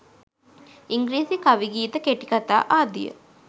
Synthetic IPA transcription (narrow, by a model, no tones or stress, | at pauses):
iŋɡɾiːsikaʋiɡiːt̪əkeʈikat̪a̰ːʔaːd̪ijə̰